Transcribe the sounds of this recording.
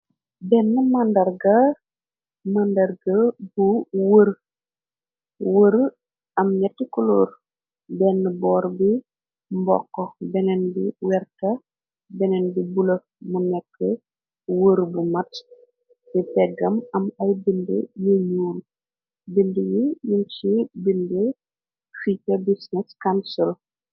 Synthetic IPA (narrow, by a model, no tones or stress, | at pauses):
bɛnːəmɐndɐrɡɐ | mɐndɐrɡɐbuwəɾ | wəɾ | ɐmɲɛtːikuloːr | bɛnːəbɔːɾbi | mbɔ̰kːɔbɛnɛnbiwɛrkɐ | bɛnɛnbibulɐ | munɛkːə | wəɾbumɐt | bipɛɡːɐmɐmɐjbindəjəɲuːl | bindəjijunt͡ʃibində | ficɐbisnɛskansul